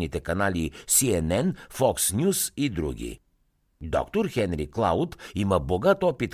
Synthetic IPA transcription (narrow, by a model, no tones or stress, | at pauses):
nit̪ɛkanalisiɛnɛnfɔksnʲjusid̪ɾṵɡ̟ʲḭ | d̪ɔ̰kt̪oɾxɛnɾiklˠa̰wt̪iməboɡat̪ɔpit̪